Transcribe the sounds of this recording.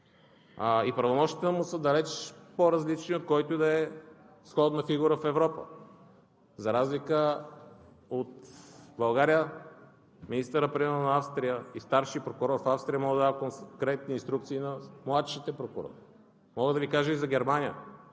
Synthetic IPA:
aipɾɐvomɔʃt̪it̪ɛnmusəd̪ɐlɛt͡ʃpoɾɐzlit͡ʃniot̪̚kɔjt̪ʊd̪ɐɛ | sxɔd̪nɐfiɡuɾəfɛvɾɔpə̰ | zɐɾazlikə | ot̪bɐlˠɡaɾijə | minist̪əɾəpɾimɛɾonɐafst̪ɾijəist̪aɾʃipɾokʊɾɔɾfafst̪ɾijəmɔɡəd̪d̪avɐkokɾɛt̪̚niːnst̪ɾuk̚t̪siːnɐmlˠat̪ʃit̪ɛpɾokʊɾɔ̰ɾi | mɔɡəd̪ɐvikaʒəizɐɡʲɛɾmanʲijə̰

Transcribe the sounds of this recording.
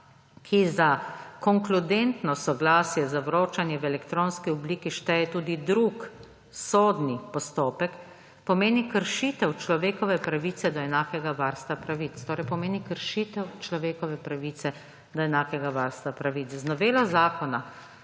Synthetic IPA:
kʰizakɔŋklud̪ent̪nɔsɔɡlaːsjɛzaʋɾoːt͡ʃanjɛʋɛlɛkt̪ɾoːnskiɔbliːkiʃt̪ɛjɛt̪uːd̪id̪ɾuk | soːd̪nipɔst̪oːpɛk | pɔmeːnikəɾʃit̪ɛwt͡ʃlɔʋeːkɔʋɛpɾaʋiːt̪sɛd̪ɔɛnaːkɛɡaʋaɾst̪ʋapɾaʋit̪st̪oːɾɛjpɔmeːnikəɾʃit̪ɛwt͡ʃlɔʋeːkɔʋɛpɾaʋit̪sɛ | d̪ɔɛnaːkɛɡaʋaɾst̪ʋapɾaʋit͡s̪znɔʋeːlazaːkɔna

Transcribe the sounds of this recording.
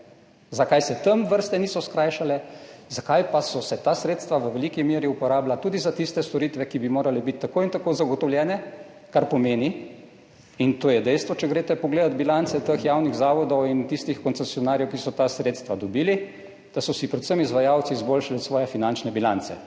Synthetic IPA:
zakajsɛt̪əmʋəɾst̪ɛniːsɔskɾajʃalɛzakajpasɔsɛt̪aːsɾeːt̪st̪ʋaʋəʋɛlikimeːɾiupɔɾaːblat̪uːd̪izat̪ist̪ɛst̪ɔɾiːt̪ʋɛkibimoːɾalɛbit̪ʲːakoːint̪akoːzaɡɔt̪ɔwljɛːnɛ | kaɾpɔmeːni | int̪oːjɛd̪ɛjst̪ʋɔt͡ʃɛɡɾeːt̪ɛpɔɡleːd̪at̪̚bilant̪sɛt̪əxjawniɣzaːʋɔd̪ɔwint̪ist̪ixkɔnt̪sɛsiɔnaːɾjɛwkisɔt̪asɾeːt̪st̪ʋad̪ɔbiːli | d̪̥asɔsipɾɛt̪səmizʋajaːwt̪siːzboːlʃaliɔt̪sʋɔːjɛfinant͡ʃnɛbila̰nt̪sɛ̰

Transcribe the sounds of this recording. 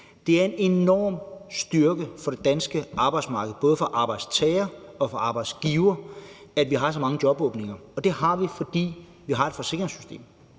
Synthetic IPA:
d̥e̝æɐe̝ne̝nɒ̰ːmsd̥yɐɡ̥əfɒ̽ɾ̥e̝d̥ænsɡ̥əʔɑ̈ːb̥ɑ̈ɪdsmɑ̈ːɡ̥əð̩ˠb̥ɔ̽ːðˠfɒ̽ʔɑ̈ːb̥ɑ̈ɪd̥st͡sʰɛːɪɐɒ̽fɒɑ̈ːb̥ɑ̈ɪd̥sɡ̥iːʊɐædʋiɦɑ̈sɒ̽mɑ̈ŋəd̥jɒ̽b̥ɔːb̥ne̝ŋɐɒ̽d̥e̝hɑ̈ʋifɒ̽d̥ḭː | ʋiɦɑ̈e̝d̥fɒ̽se̝ɡ̥ʁeŋsy̥sd̥e̝̰ːm

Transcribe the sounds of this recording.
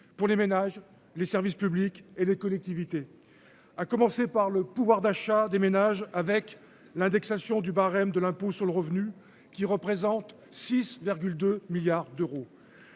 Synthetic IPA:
puʁlemenaʒ | lesɛʁvispyblikelekɔlɛk̚t̪ivit̪e | akɔmɑ̃sepaʁləpuvwaʁd̪aʃad̪emenaʒavɛk | lɛ̃d̪ɛksasjɔ̃d̪ybaʁɛmd̪əlɛ̃posyʁləʁəvny | kʲiʁəpχezɑ̃t̪ | sisviʁɡʲyld̪ømiljaʁd̪øʁo

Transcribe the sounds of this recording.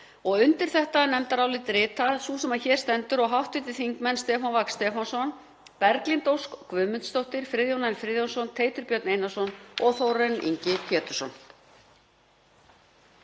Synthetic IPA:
ɔɣʏnt̪ɪɾ̥θɛht̪anɛmt̪aɾawlɪt̪ɾɪːt̪aðsusɛmaðçɛːɾ̥st̪ɛnt̪ʏɾɔɣɦawht̪vɪt̪ɪ̥θiŋkmɛnst̪ɛːfanvakst̪ɛːfansɔn | pɛɾklint̪owskːvʏːmʏnt̪st̪owht̪ɪɾ̥fɾɪːðjownaɪnfɾɪːðjownsɔnt̪ʰeːjt̪ʏɾpjœɾt̪nejnasɔnɔɣθowɾɛnḭɲcɪcʰɛːt̪ʏsɔn

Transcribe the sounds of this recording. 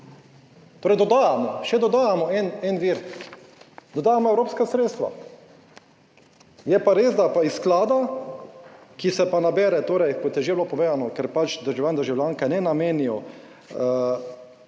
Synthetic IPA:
t̪oːɾɛjd̪ɔd̪aːjamɔʃɛd̪ɔd̪aːjamɔɛnɛnʋiːɾ | d̪ɔd̪aːjamɔɛwɾoːpskasɾeːt̪st̪ʋa̰ | jɛpaɾeːzd̪apaɪsklaːd̪a | kisɛpanabɛːɾɛt̪oːɾɛjkɔt̪jɛʒebloːpɔʋeːzanɔkɛɾpat͡ʃd̪əɾʒɛwjand̪əɾʒɛwljaŋkɛnɛnameːnijɔ | ə

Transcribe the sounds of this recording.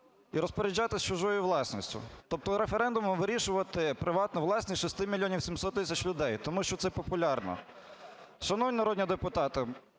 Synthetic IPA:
iɾɔspɔɾʲɪd͡ʒʲɑt̪ɪst͡ʃʊʒɔjʊʋlˠɑsʲnʲɔsʲtʲʊ̰t̪ɔp̚t̪ɔɾefeɾɛnd̪ʊmɔmʋɪɾʲiʃʊʋɐt̪ɪpɾɪʋɑt̪nʊʋlˠɑsʲnʲisʲʃist̪ɪmʲilʲːjɔnʲiwsʲimsɔt̪ːɪsʲɐt͡ʃlʲʊd̪ɛjt̪ɔmuʃt͡ʃɔt̪sɛpɔpʊlʲɑrnɔ̰ | ʃɐnɔʋwnʲinɐɾɔd̪ʲnʲid̪epʊt̪ɑt̪ɪ

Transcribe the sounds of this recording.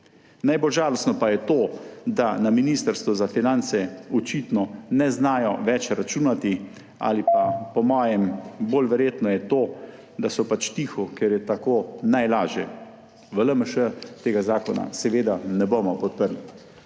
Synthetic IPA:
najbolʒaːlɔst̪nɔpajɛt̪od̪anaminiːst̪əɾst̪ʋɔzafinant̪sɛɔt͡ʃit̪nɔnɛznaːjɔʋɛt͡ʃɾat͡ʃuːnat̪i | a̰lipapɔmɔːjɛmboːlʋɛɾjeːt̪nɔjɛt̪oː | d̪asɔpat͡ʃt̪iːxɔkɛɾjɛt̪akoːnajlaːʒjɛ | ʋələməʃət̪eːɡazaːkɔna̰sɛʋeːd̪anɛbomɔpɔt̪̚pəɾli

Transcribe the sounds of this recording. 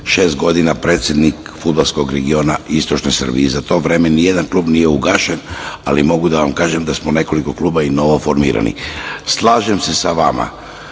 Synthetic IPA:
ʃe̞ːst̪̚ɡo̞d̪inapɾe̞ːt̪sʲjed̪nikfud̪̚balˠsko̞ɡɾe̞ɡio̞naist̪o̞t͡ʃnojsr̩bḭizat̪o̞ʋɾe̞menije̞d̪anklˠuːbnijeuɡaːʃenalimo̞ɡud̪aʋamkaːʒemd̪asmone̞ko̞liko̞kluːbaino̞ʋo̞fo̞ɾmḭːɾa̰nḭslˠaːʒemse̞saʋama̰

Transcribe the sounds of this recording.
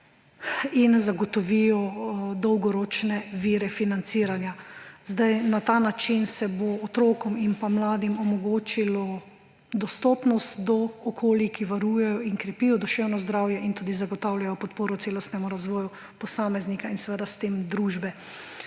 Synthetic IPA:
inzaɡɔt̪ɔʋijɔd̪ɔwɡɔɾoːt͡ʃnɛʋiːɾɛfinant̪siːɾanjazd̪ajnat̪aːnat͡ʃinsɛboːt̪ɾoːkɔminpamlaːd̪imɔmɔɡoːt͡ʃilɔ | d̪ɔst̪ɔːpnɔst̪d̪ɔːkʰoːlikiʋaɾuːjɛjɔinkɾɛpiːjɔd̪ɔʃewnɔzd̪ɾaːwjɛʔint̪uːd̪izaɡɔt̪aːwljajɔpɔt̪poːɾɔt̪seːlɔst̪nɛmuɾazʋɔːju | pɔsaːmɛznikainsɛʋɛd̪ast̪eːmd̪ɾuːʒbɛ

